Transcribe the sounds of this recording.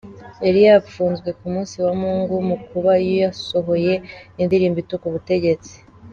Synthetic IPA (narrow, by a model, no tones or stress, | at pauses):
eɾijafuːnzɡwe̞kumuːnsiwamuːŋɡumukuβajojaso̞ɦo̞je̞indiɾiːmbitokuβute̞ɟe̞t͡si̥